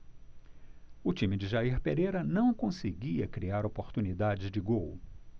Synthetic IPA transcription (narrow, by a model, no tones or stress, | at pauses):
ʊt͡ʃĩmɪd͡ʒɪʒaiɾpeɾejɾɐnɐ̃w̃kõseɡiɐkɾiaɾopoɾt̪unid̪ad͡ʒɪzd͡ʒɪɡow